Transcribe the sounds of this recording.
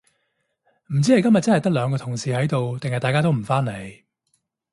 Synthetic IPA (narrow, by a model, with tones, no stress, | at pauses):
m̩˨˩t͡siː˨˥hɐ˨˧jkɐ˥mjɐ˨t̚t͡sɐ˥hɐ˨jt̪ɐ˥k̚lœː˨˧ŋkɔː˧t̪ʰʊ˨˩ŋsiː˨hɐ˨˥jt̪o˨wt̪ɪ˨ŋhɐ˨jt̪aː˨jkaː˥t̪o˥wm̩˨˩faː˥nle˨˥˧j